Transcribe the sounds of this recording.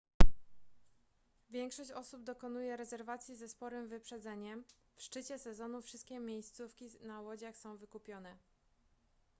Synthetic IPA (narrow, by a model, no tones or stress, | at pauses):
vʲjɛŋkʂɔɕt͡ɕɔsubd̪ɔkɔn̪ujɛɾɛzɛɾvat̪sʲjizɛspɔɾɘmvɘpʂɛd̪zɛɲɛm | fʂt͡ʂɘt͡ɕɛsɛzɔnufʂɘst̪̚kʲɛmʲjejst̪sufkʲinawɔd͡ʑaxsɔ̃w̃vɘkupʲjɔnɛ